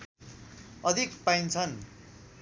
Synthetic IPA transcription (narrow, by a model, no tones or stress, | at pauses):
ʌd̪ʱikpaint͡sʰʌn